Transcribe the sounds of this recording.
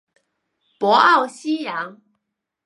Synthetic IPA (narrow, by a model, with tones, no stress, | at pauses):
pwɔ˨˥ʔa˥˨wɕi˥ja˨˦ŋ